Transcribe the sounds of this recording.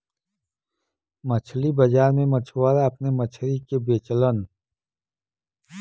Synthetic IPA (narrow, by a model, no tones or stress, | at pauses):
mət͡ʃʰlibɐd͡ʒaːɾmẽmət͡ʃʰwaːɾaɐpnemət͡ʃʰɾikebeːt͡ʃlən